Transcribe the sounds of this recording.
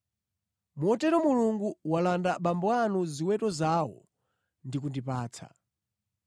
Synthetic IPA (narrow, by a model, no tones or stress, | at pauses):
muɔtɛɾɔmuluŋɡuwalandaɓambwanuziwɛtɔzawɔ̰ | ndikundipaːt͡sʰa̰